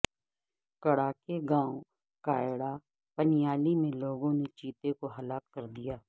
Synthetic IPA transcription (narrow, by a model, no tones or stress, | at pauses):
kɐɽaːkeɡãːõ | kaːɪɽa | pənijaːlimẽloːɡõnet͡ʃiːt̪ekoɦɐlaːkːɐɾd̪ijaː